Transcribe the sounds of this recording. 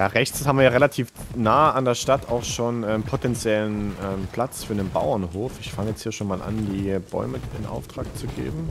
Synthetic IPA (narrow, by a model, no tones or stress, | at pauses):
jaːʁɛçt͡shabmviːɐjaːʁelatʰiːfnaːandeːɐʃtata̰ʊxʃoːnɛːmpʰotʰɛnt͡sjɛlənʔɛːmpʰl̥at͡sfyːɐdenbaʊɐnɦoːfɪçfaŋəjɛt͡sthiːɐʃoːnmaːlʔa̰ndiːb̥ɔ̰ʏməɪ̰nʔa̰ʊftʁ̥aːk̚t͡suɡḛːbm̩